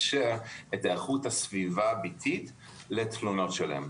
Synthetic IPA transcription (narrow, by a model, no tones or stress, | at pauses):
ʃeetaːχuthasvivabitʰit | letluno̞tʃela̰em